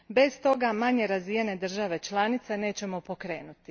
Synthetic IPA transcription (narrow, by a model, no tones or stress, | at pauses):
be̞st̪o̞ɡamaɲe̞ɾazijene̞d̪r̩ʒaʋe̞t͡ʃlaːnit̪se̞ne̞ːt͡ɕe̞mo̞po̞kɾe̞ːnut̪i